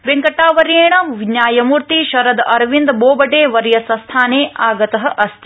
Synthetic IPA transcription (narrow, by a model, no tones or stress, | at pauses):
ʋeŋkɐʈːaːʋɐɾeːɳɐmʋiɲjaːjɐmuɾt̪iʃɐɾɐd̪ɐɾʋind̪boːbɐʈeːʋɐɾjɐsɐ̃st̪ʰaːneːaːɡɐt̪ɐɦɐ̆ʔɐst̪i̥